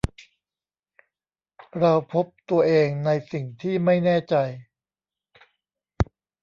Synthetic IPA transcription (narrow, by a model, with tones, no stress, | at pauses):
ɾa˧wpʰo˦˥p̚t̪u˧ɐʔeː˧ŋna˧jsi˨˩ŋt̪ʰiː˥˩ma˥˩jnɛː˥˩t͡ɕa˧j